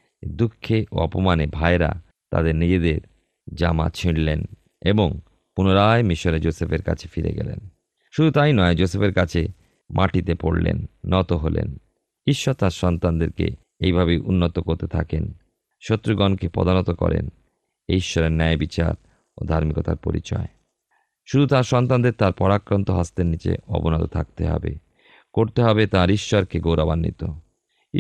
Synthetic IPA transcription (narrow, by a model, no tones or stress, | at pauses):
d̪ukʰːeʔo̰ɔpomanebʱaeɾa̰ | t̪a̰d̪eɾnid͡ʑed̪eɾ | d͡ʑama̰t͡ɕʰiɽlen | eboŋ | punoɾaemiʃoɾed͡ʑosepeɾka̰t͡ɕʰe̥fiɾḛɡɛ̰lḛn | ʃud̪ʱut̪ajnɔed͡ʑosepeɾkat͡ɕʰe | mʔaʈit̪epoɽlḛnːɔt̪oɦolḛn | iʃːɔt̪aɾʃɔnt̪and̪eɾkḛ | ejbʱabejʔunːot̪okoɾt̪et̪ʰa̰ken | ʃot̪ːɾiɡɔnkepɔ̰d̪anot̪okɔ̰ɾḛn | eiʃːɔɾeɾnɛbit͡ɕa̰ɾ | od̪ʱaɾmikot̪a̰ɾpoɾḭt͡ɕɔ̰e | ʃud̪ʱut̪aɾʃɔnt̪and̪eɾt̪aɾpɔɾakɾont̪oɦast̪eɾnit͡ɕḛɔ̰bonɔt̪ot̪ʰa̰k̚t̪eɦɔ̰bḛ | koɾt̪eɦɔbet̪ãɾiʃːɔɾkeɡowɾabanːḭt̪o